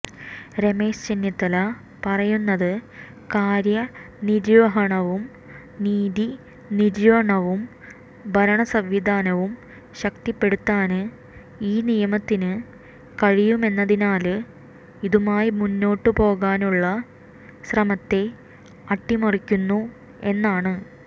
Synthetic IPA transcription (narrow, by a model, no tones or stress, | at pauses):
ɾeme̞ːɕt͡ɕenjɐt̪ːɐlɐ | pɐrɐjunːɐðɨ | kaːɾjɐ | niɾʋɐɦɐɳɐʋum | niːði | niɾjʋɐɳɐʋum | bʱɐɾɐɳɐsɐʋʋid̪ʱaːnɐʋum | ɕɐkt̪ipːe̞ɽut̪ːaːnɨ | iːnijɐmɐt̪ːinɨ | kɐɻijume̞nːɐðinaːlɨ | iðumaːjimunːo̞ːʈːɨpo̞ːɣaːnuɭːɐ | srɐmɐt̪ːe̞ | ɐʈːimurikʲːunːu | e̞nːaːɳɨ